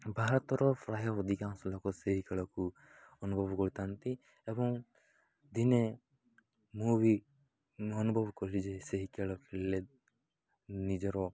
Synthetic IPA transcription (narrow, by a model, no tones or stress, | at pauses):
baɦaɾt̪ɔɾɔpʰɾaɦjɔɔd̪ʱikãnslɔkɔseɦikɛɭɔku | ɔnubʱɔbkɔɾit̪ant̪i | ebɔŋ | d̪ine | mubi | ɔnubʱɔbkɔɾɾid͡ʒeseɦikɛɭɔkʰele | nid͡ʒɔɾɔ